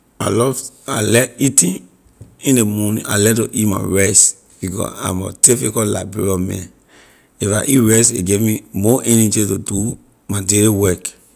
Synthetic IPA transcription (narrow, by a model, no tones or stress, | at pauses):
a̰lɔv | a̰lɛitĩn | ĩndemɔnḭ̃ʔa̰lɛtoʔitma̰ɹɛs | b̥ikɔ̰a̰mɔ̰tifikɔla̰bɹḛɾiɔmɛ̰̃n | ifaʔitɹɛsḛɡemimɔʔɛnɛd͡ʒitodu | madeliwɛk